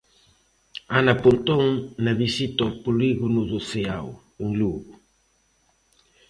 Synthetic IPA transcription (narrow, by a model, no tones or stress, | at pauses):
anapunt̪oŋnaβisit̪opuliɣunuðoseaw | uŋluɣu